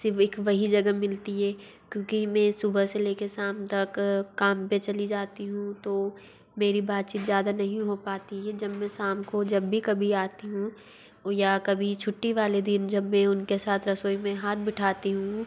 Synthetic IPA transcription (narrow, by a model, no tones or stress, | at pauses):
sɪɾfeːkʋɐɦid͡ʒɐɡəmɪlt̪iɦɛː | kjõːkimɛ̃sʊbəseleːkesaːmt̪ɐkːaːmpet͡ʃɐlid͡ʒaːt̪iɦũt̪o | meːɾibaːt̪̚t͡ʃiːt̪zjaːd̪anɐɦĩɦopaːt̪iɦɛd͡ʒɐbmɛ̃saːmkod͡ʒɐbːikɐbʱiaːt̪iɦũ | jakɐbʱit͡ʃʰʊʈːiʋaːled̪ɪnd͡ʒɐbmɛ̃ʊnkesaːt̪ʰɾɐsoːimẽɦaːt̪̚bɪʈʰaːt̪iɦũ